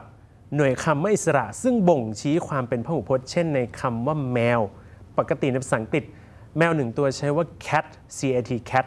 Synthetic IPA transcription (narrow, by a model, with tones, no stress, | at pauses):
p̚ | nu˨˩əjkʰa˧mwaː˥˩ʔi˨˩sa˧ɾa̰˨˩ʔsɯ˥˩ŋbo˨˩ŋt͡ɕʰiː˦˥kʰwaː˧mpe˧npʰaː˥˩huː˨˩pʰo˦˥t̪̚t͡ɕʰe˥˩nːa˧jkʰa˧mwaː˥˩mɛː˧wpa˨˩kːa˧t̪i˨˩na˧˩pa˧sa˩˦ŋki˨˩t̪̚ | mɛː˧wnɯ˨˩ŋt̪u˧ɐt͡ɕʰa˦˥jwaː˥˩kʰɛ˦˥t̪̚ | siː˧ʔaː˧t̪ʰiː˧kʰɛ˦˥t̪̚